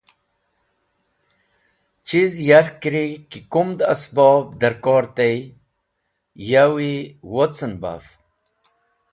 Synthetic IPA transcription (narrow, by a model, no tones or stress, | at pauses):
t͡ɕizjaɾkɾikikumd̪ə̰sbɔːb̚d̪əɾkɔːɾt̪ej | jawiwot͡sənba̰f